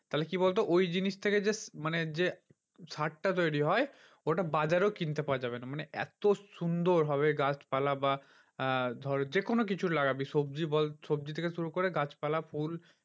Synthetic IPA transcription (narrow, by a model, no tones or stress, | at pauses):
t̪aɦlekibolt̪̬oʔojd͡ʑiniʃt̪ʰeked͡ʑesmaned͡ʑe | saʈ̚ʈat̪ojɽiɦɔe | oʈabad͡ʑaɾewkint̪epaoad͡ʑabenamaneʔɛ̰t̪osund̪oɾɦɔβeɡat͡ɕpalaba | d̪ʱɔɾd͡ʑekonok̬it͡ɕʰulaɡabiʃob̚d͡ʑibɔlsobd͡ʑit̪ʰekeʃuɾukoɾeɡat͡ɕpalafʰul